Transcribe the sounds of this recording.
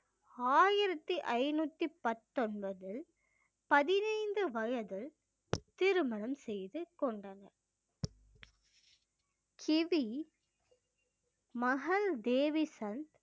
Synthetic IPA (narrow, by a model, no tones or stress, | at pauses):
aːjɪɾɐt̪ːiʔɐɪnuːt̪ːipɐt̪ːɔnbɐðɪl | pɐðɪnɐɪnd̪ɯʋɐjɐðɪl | t̪ɪɾɯmɐnɐmsɛjðɯkɔɳɖɐnɐɾ | kʰɪʋi | mɐɣɐld̪eːʋisɐnt̪